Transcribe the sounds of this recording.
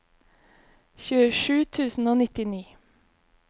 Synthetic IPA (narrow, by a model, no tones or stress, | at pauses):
çʉːəʃʉːt̪ʰʉːsn̩oːnɪt̪ɪniː